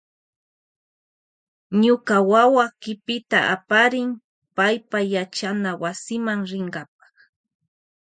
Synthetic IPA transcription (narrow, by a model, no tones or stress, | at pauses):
ɲʊkawawakɪpɪt̪aʔa̰paɾɪm | pajpajat͡ʃanawasɪmaŋɾɪŋɢɑp̚ɑ̥χ